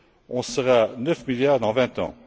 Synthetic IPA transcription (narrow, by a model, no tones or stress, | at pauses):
ɔ̃səʁanœfmiljaːʁd̪ɑ̃vɛ̃t̪ɑ̰̃